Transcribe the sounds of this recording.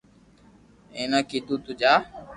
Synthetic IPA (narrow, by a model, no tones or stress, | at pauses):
eːnaːkiːt̪uːt̪ʊd͡ʒaː